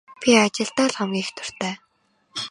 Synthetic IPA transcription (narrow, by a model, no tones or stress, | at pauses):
pʲiat͡ɕɪ̆ɬt̪aːɮχɔmɡʲiːxt̪ʰʊ̥r̥t̪æː